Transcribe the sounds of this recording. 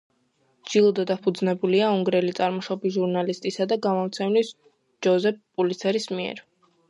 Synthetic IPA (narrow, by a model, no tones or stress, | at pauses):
d͡ʒilˠɔd̪ɔd̪apʰud̪znɛbuliauŋɡɾɛlit̪sʼaɾmɔʃɔbisʒuɾnalist̪ʼisad̪aɡamɔmt̪sʰɛmlis | d͡ʒɔzɛppʼulit̪sʰɛɾismiɛ̰ɾ